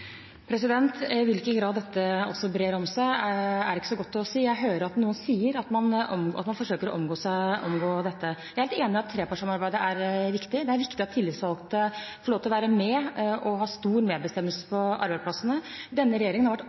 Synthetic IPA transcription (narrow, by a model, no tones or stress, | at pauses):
pʰɾɛsɪd̪ɛnt̪ɪʋɪlkənɡɾɑːd̪ːɛt̪ːəɔ̰sːɔbɾeːɾɔmsæɪæɖɪkːə̥sɔɡɔt̪ːɔsiːjæɦøːɾəɾɑt̪nuːənsiːəɾɑt̪mɑnɔ̰mɑt̪mɑnfɔʂøːkəɾɔ̰ʔɔmɡoːsæɪʔɔmɡoːd̪ɛt̪ːəjæɪhɛlt̪eːnɪɑt̪ʰːɾeːpʰɑʂɑmɑɾbæɪd̪əæɾʋɪkt̪ɪd̪ɛæɾʋɪkt̪ɪɑt̪ʰːɪlːɪsʋɑlkt̪əfɔɭoːt̪ɪlɔʋæːɾəmɛʔɔɦɑːst̪uːɾmeːd̪bəst̪ɛmːəlsə̥pʰɔʔɑ̰ɾbæɪspʰlɑsənəd̪ɛnːəɾɛjeːɾɪŋəhɑʋæʈː